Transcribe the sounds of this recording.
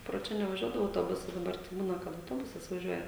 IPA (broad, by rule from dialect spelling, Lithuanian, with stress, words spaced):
proː ˈt͡ʃʲɛ nʲɛʋɐˈʒʲuɔdɐʋoː ɐʊtoːˈbʊsɐs dɐˈbɐr tɐɪ ˈbuːnɐ kɐt ɐʊˈtoːbʊsɐs ʋɐˈʒʲuɔjɛ